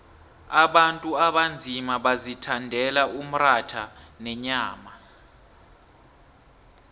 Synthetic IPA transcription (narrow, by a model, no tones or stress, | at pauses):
aɓantʼuaɓand͡zʱimaɓazitʰandʱɛlaum̩ratʰanɛɲaːma